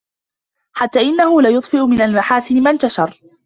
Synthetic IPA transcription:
ħat̪ːaːʔɪnːahʊlajʊt̪ˤfɪʔʊmɪnalmaħaːsɪnɪmant̪aʃɑɾˤ

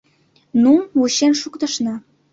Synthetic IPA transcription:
nuuɕenʃukt̪ə̆ʃnɑ

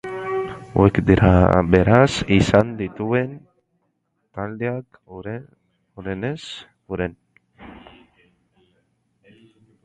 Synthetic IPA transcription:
wekd̪iɾa̰beɾasisand̪it̪uen | t̪ald̪eak | ɾ | uɾenes | uɾen

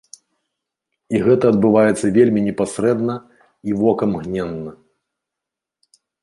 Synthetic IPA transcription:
iɣɛt̪ɐːd̪bɨvajɛt̪sːɐvʲelʲmʲinʲɛpasɾɛd̪nɐ | ivɔkɐmɣnʲɛnːɐ

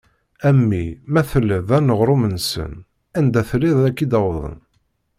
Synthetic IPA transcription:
æmːimæθəlːəðænəʁɾumənsə̰n | ænd̪æθliðˤækːid̪æwðˤə̰n

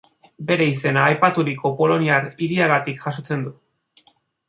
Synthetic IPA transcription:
be̞ɾe̞ise̞naːjpat̪uɾiko̞po̞lo̞niaɾiɾiaɣat̪ikʝaso̞t͡se̞nd̪u

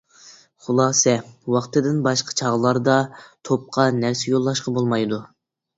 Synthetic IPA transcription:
χulˠɑːsɛwɑχt̪ɨd̪ɪnbɑʃqʰɑ̥t͡ʃʰɑʁəlˠɑɾd̪ɑt̪ʰop̚qʰɑnæɾsɛjolˠːɑʃqʰɑbolˠmɑjd̪u

